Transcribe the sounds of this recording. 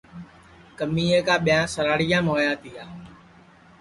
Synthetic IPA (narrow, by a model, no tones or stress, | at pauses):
kəmiːeːkaːɓɪjãːsəɾaːɽɪjãːmoːjaːt̪ɪːaː